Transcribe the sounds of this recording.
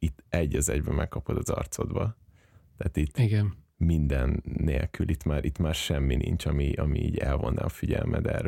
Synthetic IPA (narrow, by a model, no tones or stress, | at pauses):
it̪ːɛɟːɒzɛɟbɛmɛkːɒpod̪ɒzɒrt̪so̞d̪bɒ | t̪aːt̪it̪ːiɡɛn | mind̪ɛnːeːlkylʔit̪maːɾʔit̪maːrʃɛmːinint͡ʃɒmiʔɒmiiːɟɛlvo̞nːʔa̰ːɒfiɟɛlmʔɛd̪ɛr